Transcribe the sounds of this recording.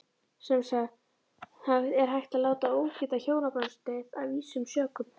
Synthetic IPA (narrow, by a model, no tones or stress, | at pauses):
sɛmsa | θaðɛɾ̥ɦajxt̪aðlaːwt̪aoːwcɪt̪açoːwnapanst̪ɛt̪a̰ðviːsʏmsœːkʏm